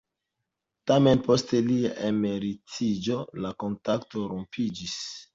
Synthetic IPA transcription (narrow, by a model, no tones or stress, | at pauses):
tame̞npo̞ste̞lia̰ʔeme̞ɾitid͡ʒo̞lako̞ntakto̞ɾompʰid͡ʒis